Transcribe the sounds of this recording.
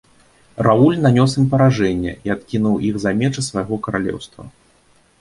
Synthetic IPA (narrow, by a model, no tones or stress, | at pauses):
raulʲnanʲɔsimpɐɾaʐɛnʲːɛ̰ʔiat̪kʲinuwiɣzamʲɛt͡ʂɨsvajɣɔkɐɾalʲɛ̰wst̪vɐ̰